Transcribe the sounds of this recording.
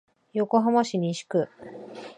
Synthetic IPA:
jo̞ko̞ɦamaɕiɲʲĩɕi̥kɯ

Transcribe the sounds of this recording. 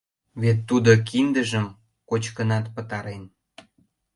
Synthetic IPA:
βet̪ːud̪ok̬ind̪əʒəm | kot͡ɕkənɑt̪pət̪ɑɾen

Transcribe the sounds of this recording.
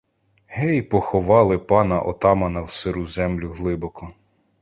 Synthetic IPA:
hɛjpɔxɔʋɑlˠɪpɑnɐʔɔ̰t̪ɑmɐnɐwsɪɾuzɛmlʲʊɦlˠɪbɔkɔ

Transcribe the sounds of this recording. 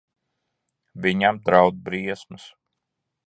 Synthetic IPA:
vʲiɲamd̪ɾawd̪̚bɾiɛsmɨs

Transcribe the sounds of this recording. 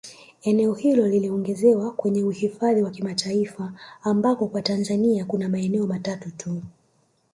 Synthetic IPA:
ɛnɛɔhilɔliliɔŋɡɛzɛwakwɛɲɛuhifaðiwakimatʰaifaːmbakɔkwatanzaniakunamaɛnɛɔmatatutʰu

